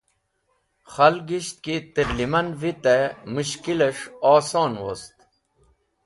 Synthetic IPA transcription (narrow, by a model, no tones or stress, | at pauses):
xɐlɡiɕt̪̚kit̪iɾlimɐnvit̪emuɕkileʂaːsɔːnwost̪